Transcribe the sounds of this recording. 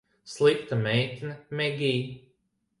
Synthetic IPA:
slˠikt̪amɛjt̪ʲinamɛɡʲiː

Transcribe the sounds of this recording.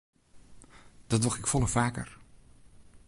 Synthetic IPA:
d̥ɔtɔχɪkfɔləfaːkə̰r

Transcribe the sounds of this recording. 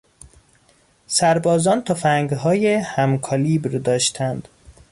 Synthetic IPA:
sæɾbɒːzɒːnt̪ʰɒfæŋɡɦɒːjehæmkʰɒliːbɾd̪ɒːʃt̪ʰænd̪̥

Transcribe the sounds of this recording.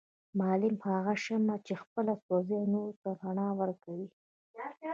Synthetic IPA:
mɑlɪmhaɣaʃəmat͡ʃexpəlasozenoɾt̪aɾaɳɑwəɾkawi

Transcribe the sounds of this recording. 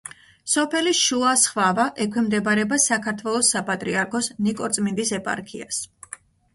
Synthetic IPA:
sɔpʰɛliʃuasχvavaʔɛkʰwɛmd̪ɛbɾɛbasakʰaɾt̪ʰwɛlˠɔsːapʼat̪ʼɾiaɾkʰɔsnikʼɔɾt̪sʼmind̪isɛpʼa̰ɾkʰḭas

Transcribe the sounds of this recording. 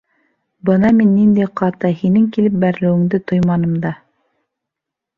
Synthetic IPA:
bɤnɑminːind̪æjqɑt̪ɤhinɘŋkilɘp̚bæɾlɘ̆wɘ̆ŋd̪ɘt̪ojmɑnɤ̆md̪ɑ

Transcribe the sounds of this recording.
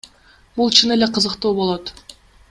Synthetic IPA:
bulˠt͡ʃʰɯne̞le̞qʰɯzɯqt̪uːbo̞lˠo̞t̪

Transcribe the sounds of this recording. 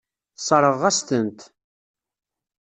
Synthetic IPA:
sˤɑɾˤəʁæst̪ənt̪

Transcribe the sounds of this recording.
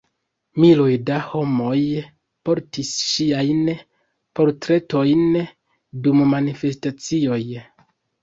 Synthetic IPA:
milojdaho̞mo̞j | po̞ɾtisʃiajn | po̞ɾtɾe̞to̞jn | dummanife̞stat͡sio̞j

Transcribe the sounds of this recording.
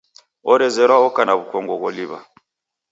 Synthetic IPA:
ɔɾɛzɛɾwaɔkanaβukɔŋɡɔɣɔliβa̰

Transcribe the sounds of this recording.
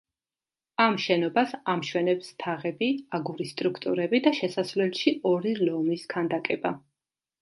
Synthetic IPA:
amʃɛnɔbasamʃwɛnɛpst̪ʰaʁɛbiaɡuɾist̪ʼɾukʰt̪ʼṵɾɛbid̪aʃɛsasvlɛlʃiɔɾilɔmiskʰand̪akʼɛba

